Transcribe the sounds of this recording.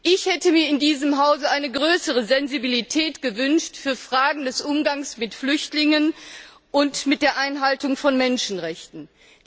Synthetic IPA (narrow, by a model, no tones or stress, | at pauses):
ʔɪçhɛtəmiːɐɪndiːzəmɦaʊzəʔaɪnəɡʁøːsəʁəzɛnzibilitʰɛːtɡ̥əvʏnʃtfyːɐfʁ̥aːɡŋ̩dɛsʔʊmɡaŋsmɪtflʏçtlɪŋən | ʔʊntmɪt̚d̥eːɐʔaɪnɦaltʊŋfɔnmɛnʃn̩ʁɛçtn̩